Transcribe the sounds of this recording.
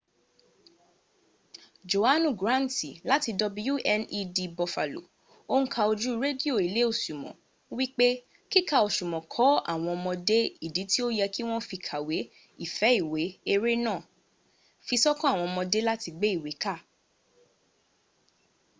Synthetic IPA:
d͡ʒo˨a˦nũ˨ɡɾã˦˨n˨ti˨la˨˦ti˧dɔ˧bu˧˦ju˦ʔɛ˧ni˧di˧bɔ˨fa̰˨lo̰˨ | o˦ñ̩˦kʰa˧o˧d͡ʒu˦˧ɾe˦di˦o˦˨i˨le˨˦o˦˨ʃu˨mɔ̰̃˨ | wi˦k͡pe˦ | ki˦ka˦˨o˧ʃu˨mɔ̃˨kʰɔ˨˦a̰˦˨w̃ɔ̃˧ɔ˧mɔ̃˧de˦i˦˨di˨˦ti˦o˦jɛ˧ki˦w̃ɔ̃˦fi˧kʰa˨we˨˦ | i˦˨fɛ˨˦i˦˨we˨˦e˧ɾe˦nã˦˨ | fi˧sɔ˦kɔ̃˦˨w̃ɔ̃˧ɔ˧mɔ̃˧de˦la˦ti˧ɡ͡be˦i˦˨we˨˦ka˦˨

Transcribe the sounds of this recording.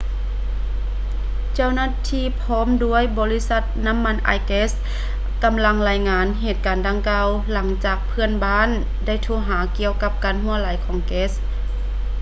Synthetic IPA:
t͡ɕa˧˥˩wnaː˧˥t̪ʰiː˧˥˨pʰɔː˧˥˨mdu˧˥əjbɔː˨˦li˧˥sa˧˥t̪̚na˧˥˨mːa˧˥˨nʔa̰˧˩jkeː˧˥s | ka˨mla˧ŋlaː˧˩jŋaː˨˧˥nɦeː˨˩t̪̚kaː˨ndaː˧˦ŋkaː˧w | la˩˦ŋt͡ɕaː˨˩k̚pʰɯ˧˥ənbaː˧˥˨n | da˧˥˩jt̪ʰuː˧˩ɦaː˩˦ki˧˨əwka˧p̚kaː˨nɦu˧˥ɐlaː˨˦jkʰɔː˨˦ŋkeː˦˥s

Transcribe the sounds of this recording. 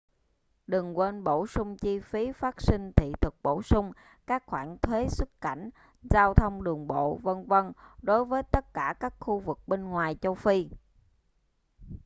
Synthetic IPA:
ɗɨ˨˩ŋkwe˧nɓo̰˧˩sʊ˧ŋ͡mt͡ɕi˧fi˨˦faː˦˥t̚si˧ŋ̟t̪ʰḭ˧˨t̪ʰɨ˨˩k̚ɓo̰˧˩sʊ˧ŋ͡m | kaː˦˥k̚xwaː˧˩nt̪ʰwe˨˦swɨ˦˥kka̰˧˩˨jŋ̟ | zaː˧wt̪ʰə˧wŋ͡mɗɨ˨˩əŋɓo̰˧˨və˧nvə˧nɗo˨˦jvəː˨˦jt̪ə˦˥t̚kaː˧˩kaː˦˥k̚xu˧vɨ˨˩k̚ɓe˧nŋwaː˨˩jt͡ɕə˧wfi˧

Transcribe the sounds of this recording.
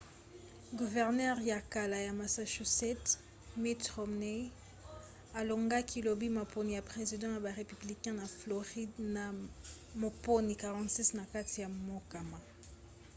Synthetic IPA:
ɡu˨vɛ˨ʁnɛ˦ʁja˨ka˨la˨ja˨ma˨sa˨ʃu˨sɛ˦t | mi˦tʁɔ˨mne˦ | a˨lo˨ŋɡa˦kʰi˦lo˨bi˦ma˨po˦ni˨ja˨pʁe˨zi˨dɑ̃˦ja˨ba˨ʁe˨py˨bli˨kɛ̃˦na˨flo˨ʁi˦dna˨ | mo˨po˦ni˨ka˨ʁɑ̃˨tsi˦sna˨ka˦ti˨ja˨mo˦ka˨ma˨

